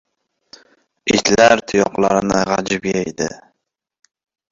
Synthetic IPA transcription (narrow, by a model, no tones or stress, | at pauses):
ɪt̪ʰlaɾt̪ʰʊjɒqlˠaɾɪnɪʁɑd͡ʒɪbjajd̪ɪ̰